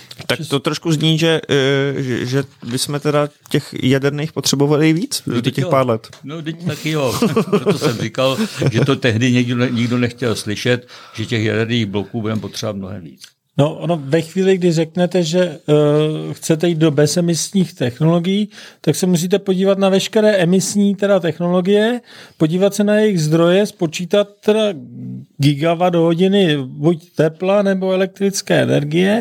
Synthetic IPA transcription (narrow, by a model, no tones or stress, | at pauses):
t̪akt̪ot̪ɾoʃkuzɲiːʒɛ | ɛʒɛbɪsmɛt̪ɛdacɛxjadɛɾniːxpot̪r̥ɛbovalɪviːt͡sdod̪ocɛpaːɾlɛt̪nodɪc̪akɪjopɾot̪osɛmɾrɪkalʒɛt̪ot̪ɛɦdɪɲɛɡdoɲɪɡdonɛxcɛlslɪʃɛt̪ʒ̥ɛcɛxjadɛɾniːɣblokuːbudɛmɛpot̪r̝̥ɛvat̪̚mnoɦɛ̰mvḭːt͡s | noʔonovɛxviːlɪɡdɪrɛknɛt̪ɛʒɛ | xt͡sɛt̪ɛjiːd̪̚do̞bɛsɛmɪsɲiːxt̪ɛxno̞lo̞ɡɪjiːt̪aksɛmus̬iːt̪̬ɛpo̞ɟiːvat̪navɛʃkɛɾɛːʔɛmɪsɲiːt̪ɛdat̪ɛxno̞lo̞ɡɪjɛpoɟiːvat̪sɛnajɛjɪɣzd̪ɾo̞jɛspo̞t͡ʃiːt̪at̪ːɛdaɡɪɡavado̞ɦo̞ɟɪnɪbuct̪ɛplanɛbo̞ɛlɛk̚t̪ɾɪt͡skɛːɛ̰nɛ̰ɾɡɪjɛ